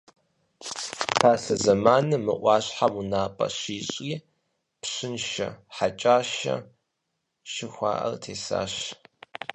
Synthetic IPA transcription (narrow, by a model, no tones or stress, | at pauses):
pʰaːɬɐzɐmaːnɨmɨ̰ʔʷɑːɕħamunaːpʼɐ̰ɕiːɕʼiː | pɕɪnʃɐ̰ħat͡ʃʼaːʃɐ̰ | ʃɪxʷɑ̰ːʔɐ̰rtʰeːsa̰ːɕ